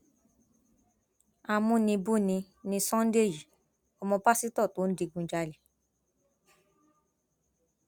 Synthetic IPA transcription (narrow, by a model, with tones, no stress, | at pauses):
a˨˧mũ˧˦nĩ˧bu˦˨nĩ˧ | nĩ˧sɔ̃˦n̩˦de˦˨ji˨ | ɔ˧mɔ̃˧ba˦si˦tɔ˦˨to˨˦n̩˦di˧ɡũ˧d͡ʒa˧le˨